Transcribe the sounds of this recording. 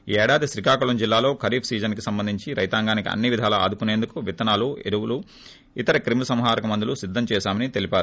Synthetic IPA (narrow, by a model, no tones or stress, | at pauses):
iɛːɽaːd̪iʃɾikaːkuɭɐmd͡ʒilːaːlo̞ːkʰɐɾiːpʰsiːd͡ʒɐnkisɐmbɐnd̪ʱiɲt͡ʃiɾɐjt̪aːŋɡaːnikiɐ̰nːiʋid̪ʱaːlɐa̰ːd̪ukune̞ːnd̪ukuʋit̪ɐnaːlueɾuwulu | it̪ɐɾɐkɾimɐsɐmɦaːɾɐkɐmɐnd̪ulusid̪ʱːɐmt͡ʃɛːʃaːmɐnit̪e̞lipaːɾu